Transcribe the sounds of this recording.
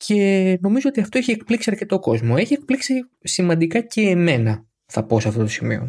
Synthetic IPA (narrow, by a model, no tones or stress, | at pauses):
cʰe̞no̞mizoot̪iɐft̪o̞eçiek̚pliksiɐɾce̞t̪o̞ko̞zmo̞e̞çie̞k̚pliksi | simɐ̃nd̪ikɐce̞ːme̞nɐ | θɐpo̞sɐft̪o̞t̪o̞simḭo̞̰